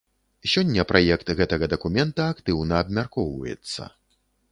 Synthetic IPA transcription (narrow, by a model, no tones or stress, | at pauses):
sʲɔnʲːɐpɾʔajɛkt̪ɣɛt̪ɐɣɐd̪ɐkumʲɛnt̪ɐakt̪ɨwnɐːbmʲarkɔwvɐ̰jɛ̰t̪sːɐ̰